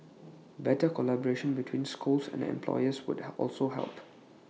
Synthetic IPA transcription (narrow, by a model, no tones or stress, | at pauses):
bɛtəkɔlabɔɹeʃə̃nbitʰwĩnskulsɛ̰̃nɛ̰̃mpʰlɔ̰ɪəswʊ̰dɔ̰lsoɦɛ̰lˠp